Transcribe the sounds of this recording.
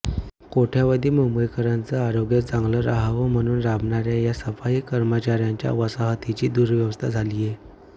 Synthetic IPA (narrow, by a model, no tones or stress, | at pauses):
koʈʰjaʋəd̪ʱiːməmbəjkəɾant͡səaɾoɡjat̪d͡zãŋɡləɾaɦaʋəm̤əɽ̃uːnɾabɳaɾjajasəfaiːkəɾmət͡ɕaɾjaɲt͡ɕja̰ʋəsaɦt̪it͡ɕiːd̪uːɾʋjəʋəst̪ʰad͡zʱalije